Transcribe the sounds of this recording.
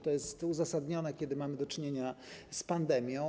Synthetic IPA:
t̪ɔjɛst̪uzasad̪ɲɔnɛkʲed̪ɘmamɘd̪ɔt͡ʂɘɲeɲaspand̪ɛmʲjɔ̃

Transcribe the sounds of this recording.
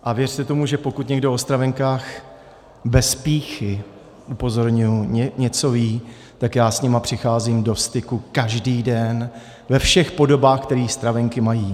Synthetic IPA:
ʔavjɛr̝̥t̪ɛt̪o̞muʒɛpokut̪ɲɛɡdo̞ost̪ɾavɛŋkaːx | bɛspiːxɪ | ʔupo̞zo̞ɾɲujuɲɛɲɛt͡so̞viː | t̪akjaːsɲɛmapr̝̥ɪxaːziːmdo̞st̪ɪkukaʒdiːdɛn | vɛfʃɛxpo̞do̞baːxkt̪ɛɾiːst̪ɾavɛŋkɪmajiː

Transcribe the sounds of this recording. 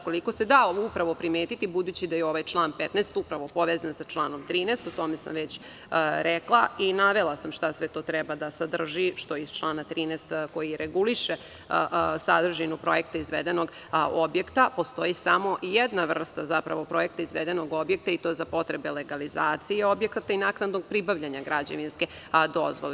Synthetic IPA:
ko̞liko̞se̞d̪aupɾaʋo̞pɾimeːt̪it̪ibud̪uːt͡ɕid̪ajeo̞ʋajt͡ʃlˠaːnpet̪nest̪upɾaʋopo̞ʋeznasat͡ʃlˠaːnomt̪ɾiːnest̪ot̪o̞mesa̰mʋet͡ɕ | ɾeklˠainaʋe̞lˠasamʃt̪asʋet̪o̞ːt̪ɾɛbad̪asad̪r̩ʒiʃt̪oizt͡ʃlˠaːnat̪ɾiːnest̪ko̞jiɾeɡuliʃe | sad̪r̩ʒinupɾo̞jek̚t̪aizʋed̪eno̞ɡ | objekt̪apo̞st̪o̞isamo̞ʔjed̪naʋr̩st̪azapɾaʋo̞pɾo̞jekt̪aizʋed̪eno̞ɡo̞bjek̚t̪ait̪ozapo̞t̪ɾebe̞leɡalizaːt̪sijeo̞bjekat̪ainaːknad̪noɡ̚pɾibaʋʎaɲaɡɾad͡ʑaʋinsked̪o̞̰zʋole

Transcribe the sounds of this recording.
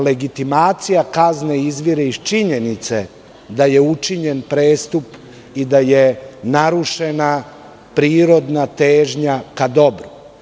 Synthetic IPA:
le̞ɡit̪imaːt̪sijakazneizʋiɾeit͡ʃiɲe̞nit̪se | d̪aje̞ut͡ʃiɲenpɾeːst̪up | id̪aje̞naɾuʃe̞na | pɾiːɾo̞d̪nat̪eːʒɲakad̪o̞bɾu

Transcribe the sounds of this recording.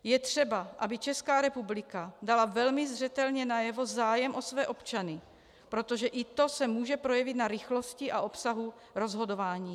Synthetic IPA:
jɛt̪r̝̥ɛbaʔabɪt͡ʃɛskaːɾɛpublɪkadalavɛlmɪzr̝ɛt̪ɛlɲɛnajɛvo̞zaːjɛmʔo̞svɛːʔopt͡ʃanɪ | pɾo̞t̪o̞ʒɛʔɪt̪o̞sɛmuːʒɛpɾo̞jɛvɪt̪naɾɪxlo̞scɪʔaʔo̞psaɦu | ɾo̞zɦo̞do̞vaːɲiː

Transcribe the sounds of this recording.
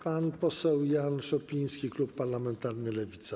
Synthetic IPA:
panpɔsɛwjanʂɔpʲij̃skʲiklupːaɾlamɛnt̪aɾnɘlɛvʲit̪sa

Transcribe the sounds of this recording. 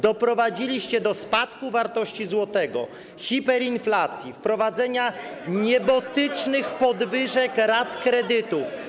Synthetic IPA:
d̪ɔpɾɔvad͡ʑilʲiɕt͡ɕɛd̪ɔspat̪kuvaɾt̪ɔɕt͡ɕizwɔt̪ɛɡɔ̰ | xʲipɛɾinflat̪sʲjifpɾɔvad̪zɛɲaɲɛbɔt̪ɘt͡ʂnɘxpɔd̪vɘʐɛkɾat̪kɾɛd̪ɘt̪uf

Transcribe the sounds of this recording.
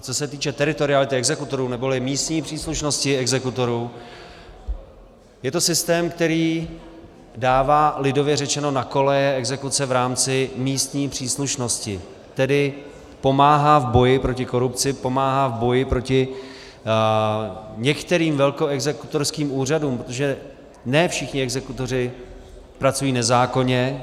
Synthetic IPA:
t͡so̞sɛt̪iːt͡ʃɛt̪ɛɾɪt̪o̞ɾɪalɪt̪ɪɛɡzɛkut̪o̞ɾuːnɛbo̞lɪmiːst̪ɲiːpr̥iːsluʃno̞scɪɛɡzɛkut̪o̞ɾuː | jɛt̪osɪst̪ɛːmk̚t̪ɛɾiː | daːvaːlɪdo̞vjɛrɛt͡ʃɛno̞nako̞lɛjɛɛɡzɛkut͡sɛvɾaːmt͡sɪmiːst̪ɲiːpr̥iːsluʃno̞scɪ | t̪ɛdɪ | po̞maːɦaːvbo̞jɪpɾo̞cɪko̞ɾupt͡sɪpo̞maːɦaːvbo̞jɪpɾo̞cɪ | ɲɛkt̪ɛɾiːmvɛlko̞ɛɡzɛkut̪o̞ɾskiːmuːr̝aduːmpɾot̪oʒɛ | nɛːfʃɪxɲɪɛɡzɛkut̪o̞r̝ɪ | pɾat͡sujiːnɛzaːko̞ɲɛ

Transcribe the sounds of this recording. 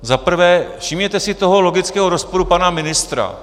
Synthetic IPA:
zapr̩vɛːfʃɪmɲɛt̪ɛsɪt̪o̞ɦolo̞ɡɪt͡skɛːɦoɾo̞spoɾupanamɪnɪst̪ɾa̰

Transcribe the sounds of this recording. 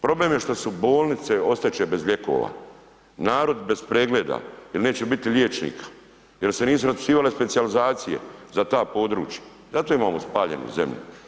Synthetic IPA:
pɾo̞bleːmjeʃt̪osubo̞ːlˠnit̪se̞o̞st̪at͡ʃebe̞zʎe̞ko̰ːʋa̰ː | naːɾo̞d̪be̞spɾeːɡleːd̪a̰jilneːt͡ʃebit̪iljeːt͡ʃnḭːkʰḁ | jelse̞niːsuɾaspi̥siːʋale̞spe̞t̪sijalizaːt̪sije̞̰zat̪aːpo̞d̪ɾṵːt͡ʃjḁ | zat̪oːimaːmospaːʎe̞̰nṵze̞̰mʎṵ

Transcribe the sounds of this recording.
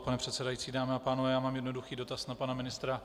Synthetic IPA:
panɛpr̝̥ɛt̪sɛdajiːt͡siːdaːmɛapaːnovɛjaːmaːmjɛdnoduxiːdo̞t̪asnapanamɪnɪst̪ɾa

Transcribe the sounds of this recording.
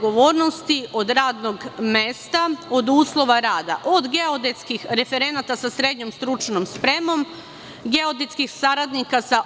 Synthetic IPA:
ɡoʋo̞ːɾno̞st̪io̞d̪ɾaːd̪no̞ɡmest̪ao̞d̪uːslˠo̞ʋaɾaːd̪a̰ʔod̪ɡe̞o̞d̪et̪skixɾe̞fe̞ɾe̞nat̪asasɾe̞d̪ɲo̞mst̪ɾut͡ʃnomspɾe̞mo̞m | ɡe̞o̞d̪et̪skixsaɾad̪nikasa

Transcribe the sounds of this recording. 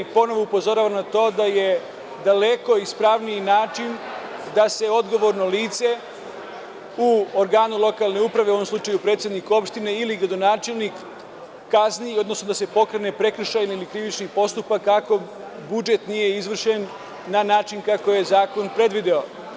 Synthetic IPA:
po̞no̞ʋoupozo̞ɾaːʋamnat̪o̞ːd̪aje̞ | d̪ale̞ko̞ispɾaʋniinaːt͡ʃind̪ase̞o̞d̪ɡo̞ʋo̞ɾno̞liːt̪se̞ | uoɾɡaːnulˠo̞kaːlˠne̞upɾaʋeuoʋo̞mslut͡ʃajupɾet̪sʲjed̪niko̞pʃt̪ine̞iliɡɾad̪o̞naːt͡ʃelnikː | aznijio̞d̪nosnod̪ase̞po̞kɾene̞pɾe̞kr̩ʃajnilikɾiʋit͡ʃnipo̞st̪upakːako̞ | bud͡ʒe̞t̪nije̞izʋr̩ʃenː | anaːt͡ʃinkakoje̞zaːko̞npɾe̞d̪ʋid̪eo

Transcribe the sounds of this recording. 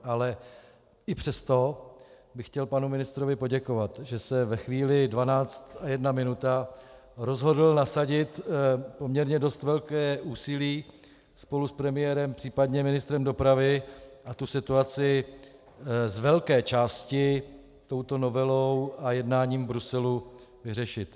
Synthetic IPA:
ʔalɛ | ʔɪpr̝̥ɛst̪o̞ | bɪxcɛlpanumɪnɪst̪ɾo̞vɪpo̞ɟɛko̞vat̪ʒɛsɛvɛxviːlɪdvanaːt͡st̪ajɛdnamɪnut̪a | ɾo̞zɦo̞dl̩nasaɟɪt̪pomɲɛɾɲɛdo̞st̪vɛlkɛːʔuːsɪliː | spo̞luspɾɛmɪjɛɾɛmpr̝̥iːpadɲɛmɪnɪst̪ɾɛmdo̞pɾavɪʔat̪usɪt̪uat͡sɪ | zvɛlkɛːt͡ʃaːscɪ | t̪o̞wt̪o̞no̞vɛlowajɛdnaːɲiːmbɾusɛlu | vɪrɛʃɪt̪

